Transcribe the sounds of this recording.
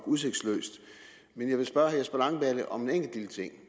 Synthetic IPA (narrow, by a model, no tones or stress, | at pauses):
ɡ̥use̝ɡ̥d̥slø̰ːsd̥ | menjɑ̈ɪʋe̝sb̥ɶɐhæjsb̥ælɑ̈ŋb̥æləʔɒ̽me̝neŋ̰ɡ̥l̩d̥ilət͡sʰe̝ŋ̰